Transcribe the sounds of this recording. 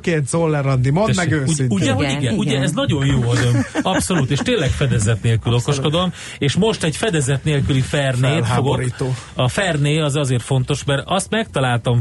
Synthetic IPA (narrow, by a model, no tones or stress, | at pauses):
keːnt̪zolːɛɾɒd̪ːimomɛɡøːuuɟɛɦoɟiɡɛuɛɛznɒɟo̞njoːɒzømɒpso̞luːt̪eːʃt̪eːnlːɛkfɛd̪ɛzɛt̪neːlkyloko̞ʃko̞d̪om | eːʃmo̞ʃt̪ɛɟfɛd̪ɛzɛt̪neːlkylifɛrneːt̪ːoɡoɾit̪oɒfɛrneːɒzɒzeːrfo̞n̪t̪o̞ʃmɛrɒst̪mɛk̚t̪ɒlaːlt̪ɒm